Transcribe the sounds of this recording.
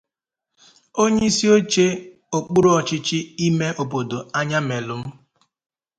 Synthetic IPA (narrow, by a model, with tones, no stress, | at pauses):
o˦ɲei˦si˦o˦t͡ʃe˦ | o˨k͡pu˦ɾo˨ɔ˨t͡ʃɪ˦t͡ʃɪ˦i˦me˦ʔo˨bo˨do˨a˦ɲa˦me˨lʊ˨m̩˦